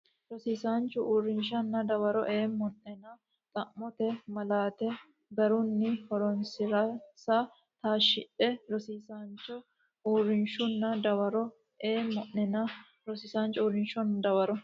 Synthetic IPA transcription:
ɾɔsiːsaːnt͡ʃːʊʔuːrːɪnʃɐnːɐd̪ɐwɐɾɔʔeːmɔnːɛnɐ | t̪ʼɐmːɔt̪ɛmɐlaːt̪ɛ | ɡɐɾʊnːɪhɔɾɔnsɪɾɐsa | t̪aːʃɪᶑɛɾɔsiːsant͡ʃːɔ | uːɾːɪnʃʊnːɐd̪ɐwɐɾɔ | eːmɔʔːɛnɐ | ɾɔsisaːnt͡ʃːɔuːɾɪnʃɔnd̪ɐwɐɾɔ

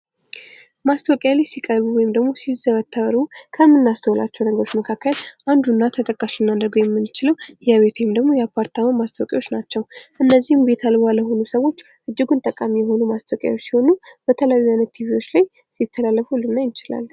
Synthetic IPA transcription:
mast̪ʰəwkʼjalajsikʼəɾβuwɔjɪmd̪əɡmo̞sizəβət̪ʰːəβəɾukʰəmːɨnːast̪ʰəwla̰t͡ʃːɛwnəɡəɾot͡ʃməkʰakːəlʔand̪unːat̪ʰət̪ʼəkʼːaslɨnːad̪əɾɡojɛmːɨnːɨt͡ʃɪləwjaβe̞t̪ʰwɔjɪmd̪əɡmo̞japʰaɾt̪ʰamamast̪ʰəwkʼjawo̞t͡ʃːnat͡ʃːɛwʔɨnːəzːihmbe̞t̪ʰalbaləho̞nusəwo̞t͡ʃː | ʔɨd͡ʒːɪɡunt̪ʼəkʼamijɛɦo̞numast̪ʰwkʼja̰wot͡ʃːsiho̞nub̥ət̪ʰəlajuajnət̪ʰːiβiwo̞t͡ʃːlaj | sit̪ʰːəlalːəfhulːɨnːajɪt͡ʃɪla̰l

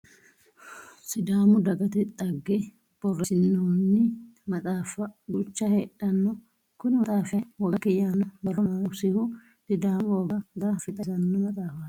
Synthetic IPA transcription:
sɪd̪aːmʊd̪ɐɡɐt̪ɛt̪ʼɐɡːɛ | bɔrːɛsɪnːoːnːɪmɐt͡sʼaːfɐɡʊt͡ʃːɐheːɗːɐnːɔ | kʊnɪmɐtʼaːfɪɐwɐɡɐkɛjaːnɔbɐrːɔnaʊsɪhʊ | d̥ɪd̪aːmboːɡɐd̪afɪt̪ʼɐsɐnːɔmɐt͡sʼaːfɐ

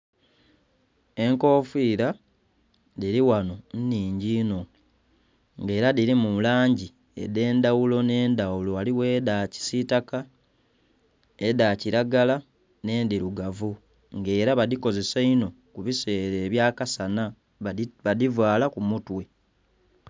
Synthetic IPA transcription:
e̞ŋko̞ːfiːɾa | diɾiwano̞nniːɲɟiːno̞ | ŋɡe̞ːɾaðiɾimulaːɲɟi | e̞̰de̞ːndawulo̞ne̞ːndawulo̞aliwe̞ːdaci̥sitaka | edaciɾaɡala | ne̞ːndiɾuɡavu | ŋɡe̞ːɾaβaðiko̞ze̞saino̞ | kuβise̞ːɾe̞ːβjaːkasana | βadivwaːlakumutwe̞

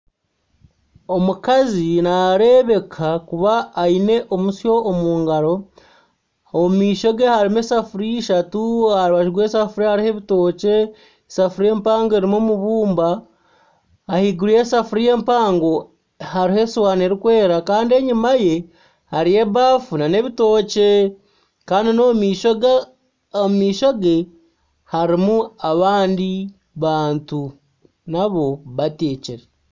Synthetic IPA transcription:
o̞mukazinaɾe̞βe̞kʰakuβaːine̞ʔo̞musjo̞ːmuːŋɡaɾo̞ | omumiːʃo̞ɡehaɾimesafuɾiʃatuaɾiβaʒiɡwe̞ːsafuɾihaɾiheβito̞ːce̞ | safuɾie̞ːmpaːŋɡoeɾimomuβuːmba | hiɡuɾijesafuɾije̞ːmpaːŋɡo̞ | ɦaɾihe̞swaːneɾikwe̞ːɾakaːndie̞ɲimaje̞ | haɾije̞βaːfunane̞βito̞ːce | kaːndinomiːʃoɡ | omumiːʃoɡe | haɾimuaβaːndi | βaːntu | naβo̞βateːceɾe

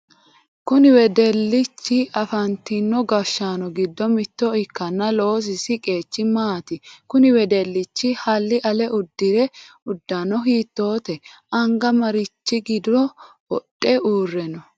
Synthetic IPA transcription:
kʊnɪwɛd̪ɛlːɪt͡ʃːɪʔɐfɐnt̪ɪnːɔɡɐʃːaːnɔɡɪd̪ːɔmɪt̪ːɔɪkːɐnːɐlo̞ːs̬ɪsɪkʼe̞ːt͡ʃːɪmaːt̪ɪkʊnɪwɛd̪ɛlːɪt͡ʃːɪhɐlːɪʔɐlɛʔʊd̪ːɪɾɛʊd̪ːɐnɔɦiːt̪ːo̞ːt̪ɛ | ɐŋɡɐmɐɾɪt͡ʃːɪɡɪd̪ɔ | wɔtʼːɛuːrːɛnɔ

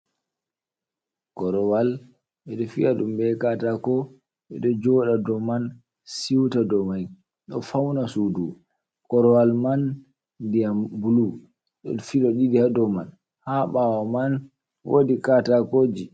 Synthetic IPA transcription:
kɔɾɔwal | ɓɛɗɔfiaɗumɓɛkatakɔ | ɓɛ̰ɗɔd͡ʒɔɗadɔman | siwtadɔmaj | ɗɔfawnasudu | kɔɾɔwalman | diambulu | ɗɔ̰fiɗɔɗidihadɔman | haɓawaman | wʔo̰dikatakod͡ʒi

